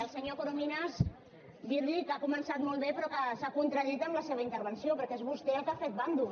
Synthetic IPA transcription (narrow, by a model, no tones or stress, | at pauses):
əlˠsəɲokoɾominəz | biɾʎikakumənsat̪mɔlˠβepɾɔkəsakunt̪ɾəðit̪əmləseβəint̪əɾβənsiopəɾkezβust̪eəlˠkafet̪̚band̪u